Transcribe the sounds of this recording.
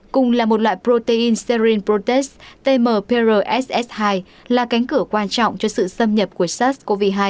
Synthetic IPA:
kʊ˨ŋ͡mlaː˨˩mo˨˩t̚lwa̰ː˧˨jpɾo˧t̪e˧ʔi˧nsɛ˧ɾi˧npɾo˧t̪ɛ˦˥st̪e˧məː˨˩pe˧zəː˧˩ʔɛ˦˥sʔɛ˦˥shaː˧j | laː˨˩ka˨˦jŋ̟kɨ˧˩əkwaː˧nt͡ɕɔ̰˧˨wŋ͡mt͡ɕɔ˧sɨ̰˧˨sə˧mɲə˨˩p̚ku˧˩əsa˦˥sko˧vi˧ɦaː˧j

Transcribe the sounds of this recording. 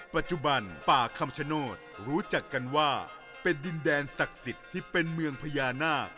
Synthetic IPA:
pa˨˩t̪̚t͡ɕu˨˩ba˧npaː˨˩kʰa˧mt͡ɕʰa˧˥noː˥˩t̪̚ɾuː˦˥t͡ɕa˨˩kːa˧nwaː˥˩ | pe˧ndi˧ndɛː˧nsa˨˩k̚si˨˩t̪ʰːiː˥˩pe˧nmɯ˧əŋpʰa˧jaː˧naː˥˩k̚

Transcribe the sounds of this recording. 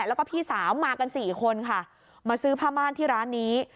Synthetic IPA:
lɛ˦˥kɔː˥˩pʰiː˥˩saː˩˦wmaː˧ka˧nsiː˨˩kʰo˧nkʰa˥˩ | maː˧sɯː˦˥pʰaː˥˩maː˥˩nt̪ʰiː˥˩ɾaː˦˥nːiː˦˥

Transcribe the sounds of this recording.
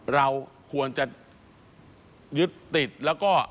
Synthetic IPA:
ɾa˧wkʰu˧ənt͡ɕa˨˩ | jɯ˦˥t̪ːi˨˩t̪̚lɛː˦˥wkɔː˥˩

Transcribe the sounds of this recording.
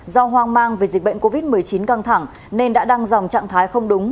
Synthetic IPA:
zɔ˧ɦwaː˧ŋmaː˧ŋve˨˩zi̟˨˩ɓə̰˧˨jŋ̟ko˧vi˦˥t̚mɨ˨˩əjt͡ɕi˨˦nkaː˧ŋt̪ʰa˧˩ŋ | ne˧nɗa̰ː˧˥ɗa˧ŋzwŋ͡mt͡ɕa̰ː˧˨ŋt̪ʰaː˨˦jxə˧wŋ͡mɗʊ˨˦ŋ͡m

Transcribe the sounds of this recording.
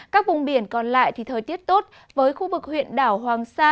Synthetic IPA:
kaː˦˥k̚vʊ̰˨˩ŋ͡mɓi˧˩ənkɔ˨˩nla̰ː˧˨jt̪ʰi˨˩t̪ʰəː˨˩jt̪i˦˥ət̚t̪o˦˥t̚ | vəː˨˦jxu˧vɨ˨˩k̚hwḭ˧˨ənɗaː˧˩whwaː˨˩ŋsaː˧

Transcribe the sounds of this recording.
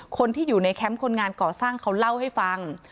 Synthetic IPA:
kʰo˧nt̪ʰiː˥˩juː˨˩na˧jkʰɛ˦˥mkʰo˧nŋaː˧nkɔː˨˩saː˥˩ŋkʰa˦˥wla˥˩wha˥˩jfa˧ŋ

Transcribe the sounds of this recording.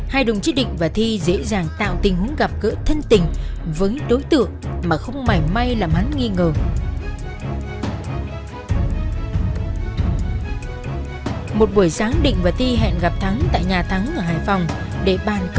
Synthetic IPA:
haː˧jɗʊ̰˧˨ŋ͡mt͡ɕi˨˦˥ɗḭ̈˧˨ŋ̟vaː˨˩t̪ʰi˧zḛ˧˥zaː˨˩ŋt̪a̰ː˧˨wt̪ï˨˩ŋ̟hu˨˦əŋɣa˨˩p̚kə̰ː˧˥t̪ʰə˧nt̪ï˨˩ŋ̟vəː˨˦jɗo˨˦jt̪ɨ̰˧˨əŋmaː˨˩xə˧wŋ͡mma˨˩jma˧jlaː˨˩mha˨˦nŋi˧ŋəː˨˩ | mo˨˩t̚ɓu˧˩əjsaː˨˦ŋɗḭ̈˧˨ŋ̟vaː˨˩t̪ʰi˧ɦɛ̰ː˧˨nɣa˨˩p̚t̪ʰa˨˦ŋt̪a̰ː˧˨jɲaː˨˩t̪ʰa˨˦ŋʔə˧˩ɦaː˨˩jfɔ˨˩wŋ͡m | ɗe˧˩ɓaː˨˩nk

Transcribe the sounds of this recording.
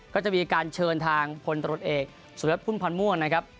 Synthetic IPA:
kɔː˥˩t͡ɕa˨˩miː˧kaː˧nt͡ɕʰɤː˧nt̪ʰaː˧ŋpʰo˧nt̪ɾu˨˩ə˩t̪ʔeː˨˩k̚ | so˩˦e˦˥t̪̚ʰu˥˩npʰa˧nmu˥˩əŋna˦˥kʰa˦˥p̚

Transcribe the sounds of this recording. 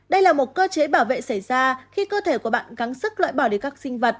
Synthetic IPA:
ɗə˧jlaː˨˩mo˨˩t̚kəː˧t͡ɕe˨˦ɓaː˧˩wvḛ˧˨sə˧˩jzaː˧xi˧kəː˧t̪ʰe˧˩ku˧˩əɓa̰ː˧˨nɣa˨˦ŋsɨ˦˥k̚lwa̰ː˧˨jɓaː˧˩wɗi˧˩kaː˦˥k̚sï˧ŋ̟və˨˩t̚

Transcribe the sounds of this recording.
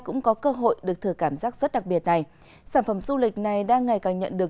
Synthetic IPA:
kʊ̰˧˥ŋ͡mkɔ˨˦kəː˧ɦo̰˧˨jɗɨ˨˩ək̚t̪ʰɨ˨˩kːaː˧˩mzaː˦˥k̚zə˦˥t̚ɗa˨˩k̚ɓi˨˩ət̚na˨˩j | saː˧˩nfə˧˩mzu˧lï˨˩k̟̚na˨˩jɗaː˧ŋːa˨˩jkaː˨˩ŋɲə̰˧˨nɗɨ˨˩ə

